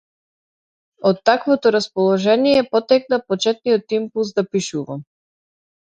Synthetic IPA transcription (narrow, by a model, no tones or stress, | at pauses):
ɔt̪ːakvɔt̪ɔɾaspɔlˠɔʒɛniɛpɔt̪ɛk̚napɔt͡ʃɛt̪̚nijɔt̪impulˠsd̪apiʃuva̰m